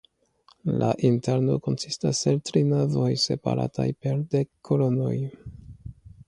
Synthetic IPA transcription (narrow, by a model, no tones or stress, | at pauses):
lʔaʔinteɾno̞̰ko̞nsistaseltɾinavo̞jse̞pa̰ɾa̰tajpe̞ɾdekʰːolo̞no̞̰j